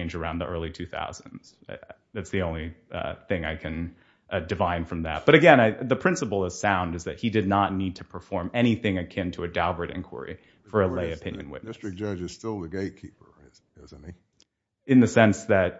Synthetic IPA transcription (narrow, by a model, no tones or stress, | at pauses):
ɪ̃nd͡ʒə˞ãʊ̃nðiʔɜ˞lˠitʰʉθa̰ʊz̥̃nz̥ | ðætsðiõʊ̃nliθɪ̃ŋa̰ɪkʰɨ̃n | ʔdɨvãɪ̃nfɹʌ̃mðæ̰t̚b̥ʌɾɨɡɛ̃naɪðɨpʰɹ̥ɪ̃nsəpl̩ˠʌz̥sãʊ̃ndɨzðɨt̚hidɨdⁿnətⁿnid̚tʰɨpʰə˞fɔɹmɛɾ̃iθɪ̃ŋɨkʰɪ̃ntʰəɨdaʊvəɾɪ̰̃nkʰwə̰˞ḭ | fə˞ɨlleɪɨpʰɪ̃njɨ̰̃nwɪ̰ɪstɹ̥ɨk̚d̥ʒ̥ʌd͡ʒɨz̥stɪlˠðɨɡeɪt̚kʰipə˞ɪz | ɪz̃n̩ti | ɨ̃nðɨsɛ̃nsðɨt̚